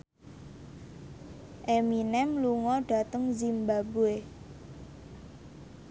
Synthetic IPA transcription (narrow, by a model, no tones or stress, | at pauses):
ʔeminɛmluŋɔɖ̥a̤t̪əŋzimbabue